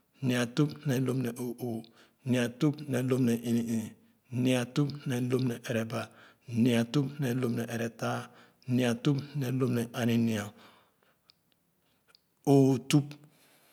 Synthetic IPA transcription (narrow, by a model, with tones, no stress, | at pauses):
ni˨a˨tu˦pnɛ˨˦lo˦mnɛ˨ʔo˨o˨ | ni˨a˨tu˦pnɛ˨˦lo˦mnɛ˨ʔi˨ni˨ | ni˦a˨tu˦pnɛ˨˦lo˦m˦nɛ˨ʔe˨ɾɛ˨ba˨ | ni˨a˨tu˦pnɛ˨lo˦mnɛ˨ʔe˨ɾɛ˨ta˦ | ni˨a˨tu˦pnɛ˨lo˦mnɛ˨ʔa˨ni˨ni˨a˨ | o˨˦˨tu˦p